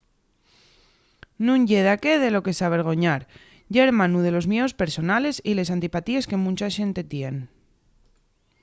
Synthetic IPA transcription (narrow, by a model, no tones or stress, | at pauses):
nũɲɟ͡ʝe̞ð̞ake̞ð̞e̞lo̞ke̞saβ̞e̞ɾɣ̞o̞ɲaɾ | ʝe̞ɾmãnuð̞e̞lo̞zmjeospe̞ɾso̞nale̞sile̞sant̪ipat̪ie̞ske̞mũt͡ʃaʃe̞nt̪e̞t̪je̞n